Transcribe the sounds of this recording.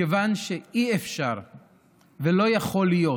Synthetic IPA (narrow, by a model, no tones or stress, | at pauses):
evanʃeiefʃaʁ | velo̞jaχo̞lijo̞